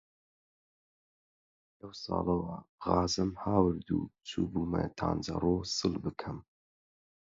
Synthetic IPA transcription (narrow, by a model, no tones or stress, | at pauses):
lɐwsɑ̰ːlɐwɐɣɑːzɨmhaːwɨɾd̪uːt͡sʰuːbuːmɐ̰jt̪ʰa̰ːnd͡ʒɐ̰rˤoːsɨlbɨkʰɨm